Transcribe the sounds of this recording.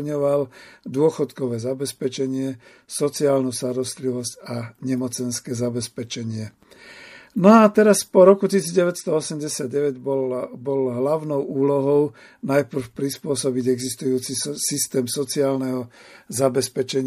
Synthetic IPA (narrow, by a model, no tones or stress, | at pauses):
ɲɔʋald̪ʊɔxɔt̪kɔʋɛːzabɛspɛt͡ʃɛɲɪɛsɔt͡siaːlnust̪aɾɔst̪liʋɔscaɲɛmɔt͡sɛnskɛːzabɛspɛt͡ʃɛɲɪɛ | nɔat̪ɛɾaspɔɾɔkucisiːd͡zɟɛʋɛcst̪ɔɔsɛmɟɛsɪad̪ɟɛʋɛɟbɔlɦlaʊnɔʊuːlɔɦɔʊ | najpr̩fpɾispʊɔsɔbiɟɛɡzist̪ujuːt͡sisist̪ɛːmsɔt͡siaːlnɛɦɔzabɛspɛt͡ʃɛɲ